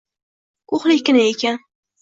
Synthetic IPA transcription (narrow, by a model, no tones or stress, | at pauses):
kʰoχlˠɪkʲːɪnaekʲan